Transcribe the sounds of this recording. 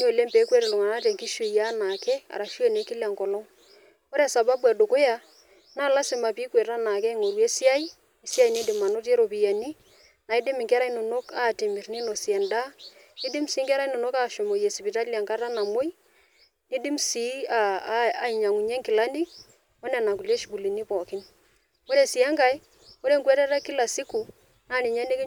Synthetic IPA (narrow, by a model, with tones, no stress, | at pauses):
n˦o˨le˦mpe˨˦kwe˦ɾe˨lʊ˨ŋa˨na˦tɛ˨ŋki˦ʃo˨ja˦na˨kɛ˦a̰˨ɾa˨ʃi˦o˦ne˨˦kɪ˦la˨ŋkɔ˨lɔ˦ | ko˦ɾɛ˦˨sa˨ba˦ba˨do˨ko˦ja˦ | naː˦˨la˦sɪ˨ma˨pi˦kwe˨ta˦na˨kɛ˦ŋo˨ɾwe˦si˦a˦i˦ | e˨si˦a˦i˨ni˦dɪ˨ma˨no˦te˦ɾo˨pi˨ja˨ni˦ | na˨i˦dɪ˦mɪ˨ŋkɛ˦ɾa˦i˦no˨no˦kaː˦˨te˨mɪ˨rnɪ˦no˨si˨ɛ˨nda˦ | ni˦dɪ˦msiː˨˦ŋkɛ˦ɾa˦i˦no˨no˦ka˦˨ʃo˨mo˨je˨si˨pi˨ta˦li˨a˨ŋka˦ɾa˦na˨mo˦j | ni˦di˦msi˨˦aa˨i˨ɲa˨ŋu˨ɲɛ˦ŋkɪ˨la˦ni˦ | ɔ˦nɛ˨na˨k̬u˨le˦ʃbu˨li˨ni˦pɔ˨kɪ˦n | o˦ɾe˦˨si˨ɛ˦ŋka˦i˦ | o˦ɾe˦ŋkwɛ˦ɾɛ˦ɾɛ˦kɪ˦la˨si˦ku˨ | naː˦˨ni˨ɲa˦ne˦ke˦